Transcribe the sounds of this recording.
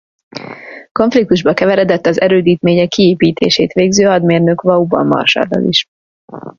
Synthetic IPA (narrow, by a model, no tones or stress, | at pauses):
ko̞ɱflik̚t̪uʒbɒkɛvɛɾɛd̪ɛt̪ːɒzɛɾøːd̪iːt̪meːɲɛkːieːpiːt̪eːʃḛːt̪ʋeːɡzøːɒd̪meːrnøkʋɒubɒ̰mɒ̰rʃa̰ːd̪ɒ̰lḭʃ